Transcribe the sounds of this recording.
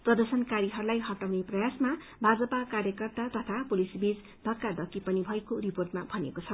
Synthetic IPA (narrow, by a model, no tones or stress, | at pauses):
prʌd̪ʌrsʌnkaɾiɦʌɾulajɦʌʈawneprʌjasma | bʱad͡zʌpakarjʌkʌrt̪at̪ʌt̪ʰapulisbid͡z | bʱʌkːad̪ʌkːipʌnibʱʌekoriporʈmabʱʌnekot͡sʰʌ